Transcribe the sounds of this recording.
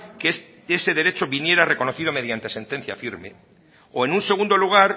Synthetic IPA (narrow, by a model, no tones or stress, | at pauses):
k | ese̞ðe̞ɾe̞t͡ʃo̞βinje̞ɾare̞ko̞noθið̞o̞með̞jant̪e̞se̞nt̪e̞n̟θja̰fiɾmḛ | oenunse̞ɣ̞und̪o̞luɣ̞aɾ